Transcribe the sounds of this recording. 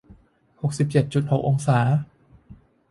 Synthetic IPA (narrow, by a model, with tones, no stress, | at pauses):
ho˨˩k̚si˨˩p̚t͡ɕe˨˩t̪̚t͡ɕu˨˩t̪̚ho˨˩k̚ʔo˧ŋsaː˩˦